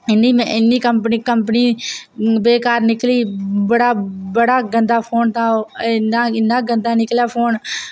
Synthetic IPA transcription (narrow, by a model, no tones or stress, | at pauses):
ɪnːiːmɛ̃ʔɪnːiːkəmpniːkəmp̬niː | beːkaːɾnɪkliːbəɽaːbəɽaːɡə̃nd̪aːpʰoːnt̪ãːonaːɪnãːɡə̃nd̪aːnɪkljaːpʰoːn